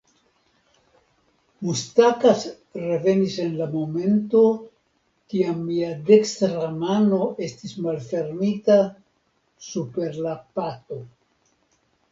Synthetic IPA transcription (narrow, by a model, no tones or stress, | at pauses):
mustakas | re̞ve̞nise̞nlamo̞me̞nto̞ | kiamːiade̞kstɾamano̞ʔe̞stismalfe̞ɾmita | supe̞ɾlapato̞